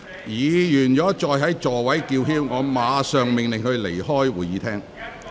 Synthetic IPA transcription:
jiː˨˧jyː˨˩njɔː˨˥t͡ʃɔː˧jɦɐ˨˥jt͡ʃɔː˨˩wɐ˨˥jkiː˧wɦiː˥wŋɔː˨˧maː˨˧˥sœː˨ŋmɪ˨ŋlɪ˨ŋhɵ˧ɥle˨˩jhɔː˥jwuː˨˩jiː˨˧t̪ʰɛː˥ŋ

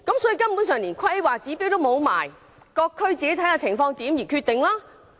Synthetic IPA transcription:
kɐ˨˥msɔː˨˥ji˨˧kɐ˥mpu˨˥nsœː˨ŋliː˨˩nkʰɐ˥waː˨t͡siː˨˥piː˨˥wt̪o˥wmo˨˧wma̰ː˨˩j | kɔː˧kʰːɵ˥ɥt͡siː˨ke˧˥t̪ʰɐ˧˥jaː˧t͡sʰɪ˨˩ŋfɔː˧ŋt̪iː˨˥mjiː˨˩kʰyː˧t̪̚ɪ˨ŋlaː˥

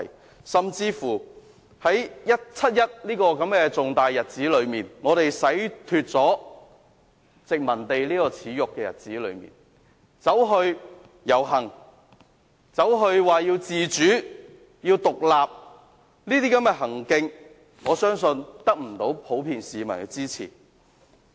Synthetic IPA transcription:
j | sɐ˨mt͡siː˧fuː˨˩ | hɐ˨˥jjɐ˥t̚t͡sʰɐ˥t̚jɐ˥t̚liː˥kɔː˧kɐ˨˧˥mkɛː˧t͡sʊ˨ŋt̪aː˨jjɐ˨t̚t͡siː˨˥lɵ˨˧ɥmiː˨˩nŋɔː˨˧t̪e˨jsɐ˨˥jt̪ʰyː˧t̚t͡sɔː˨˥ | t͡sɪ˨k̚mɐ˨˩nt̪e˨jliː˥kɔː˧t͡sʰiː˨˧˥jʊ˨kːɛː˧jɐ̰˨t̚t͡siː˨˥lɵ̰˨˧ɥmḭː˨n | t͡sɐ˨˥wɦɵ˧ɥ | jɐ˨˩wɦɐ˨˩ŋ | t͡sɐ˨˥wɦɵ˧ɥwaː˨jiː˧wt͡siː˨t͡ʃyː˨˥ | jiː˧wt̪ʊ˨k̚laː˨p̚ | niː˥t̪iː˥kɐ˨˥mkɛː˧ɦɐ˨˩ŋkɪ˧ŋ | ŋɔː˨˧sœː˥ŋsɵ˧nt̪ɐ˥k̚m̩˨˩t̪o˨˥wpʰo˨˥wpʰiː˧nsiː˨mɐ˨˩nkɛ˧t͡siː˥t͡sʰḭː˨˩

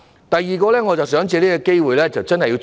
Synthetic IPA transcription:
t̪ɐ˨jːiː˨˩kɔː˧lɛː˥ŋɔː˨˧t͡sɐ˨wsœː˨˥ŋt͡siː˧liː˥kɔ˧ke˥jwuː˨jlɛː˥t͡sɐ˨˩wt͡sɐ˥nhɐ˨˩jːi˧w

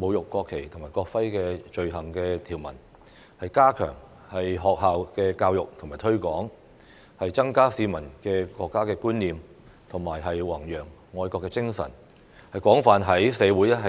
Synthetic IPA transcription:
mo˨˧wjʊ˨kːɔː˧kʰːe˨˩jt̪ʰo˨˩ŋmaː˨˩jkɔː˧k̚fɐ˥jkɛː˧t͡ʃɵ˧ɥɦɐ˨˩ŋkɛː˧t̪ʰiː˨˩wmɐ̰˨˩n | hɐ˨jkaː˥kʰœ̰ː˨˩ŋ | hɐ˨jɦɔː˨k̚ɦaː˨wkɛː˧kaː˧wjʊ˨k̚t̪ʰʊ˨˩ŋmaː˨˩jt̪ʰɵ˥ɥkʷɔː˨˥ŋ | hɐ˨jt͡sɐ˥ŋkaː˥siː˨˧mɐ˨˩nkɛː˧kʷɔː˧kːaː˥kɛː˧kuː˥nliː˨˧m | t̪ʰʊ˨˩ŋmaː˨˩jɦɐ˨jwɐ˨˩ŋjœː˨˩ŋːɔː˧jkɔː˧kːɛ˧t͡sɪ˥ŋsɐ̰˨˩n | hɐ˨jkʷɔː˨˥ŋfaː˨nɦɐ˨˥jsɛː˨˧wuː˨˥jɛ˥ɦɐ˨

